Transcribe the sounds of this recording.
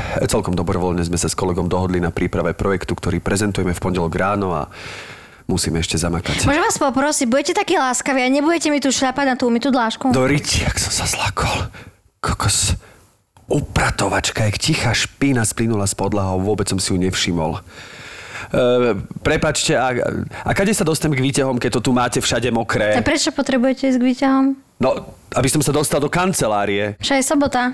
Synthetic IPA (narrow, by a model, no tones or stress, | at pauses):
t͡sɛlkɔmd̪ɔbɾɔʋɔlɲɛzmɛsaskɔlɛɡɔmd̪ɔɦɔd̪linapɾʔiːpɾaʋɛpɾɔjɛkt̪ukt̪ɔɾiːpɾɛzɛnt̪ujɛmɛfpɔɲɟɛlɔɡɾaːnɔa̰ | musiːmɛɛʃcɛzamakacmɔʒɛmʋaːspɔpɾɔsiɟbuɟɛcɛt̪akiːlaːskaʋiːaɲɛbuɟɛcɛmit̪uːʃʎapaɟnat̪umit̪uːd̪laːʃkud̪ɔɾiciaksɔ̥msḁzlakʰɔ̥l | kʰɔ̥kɔs | upɾat̪ɔʋat͡ʃkajakcixaːʃpinasplinulaspɔd̪laɦɔʊʋʊɔbɛt͡ssɔmsijuɲɛfʃimɔ̰l | pɾɛpaːt͡ʃcɛaʔakaɟɛjsad̪ɔst̪aɲmɛɡʋiːcaɦɔmkɛc̚t̪ːɔt̪umaːcɛfʃaɟɛmɔkɾɛːpɾɛt͡ʃɔpɔt̪ɾɛbujɛcɛiːzɡʋiːcaɦɔm | nɔ | abisɔmsad̪ɔst̪ald̪ɔkant͡sɛlaːɾiɛʃajɛsɔbɔt̪a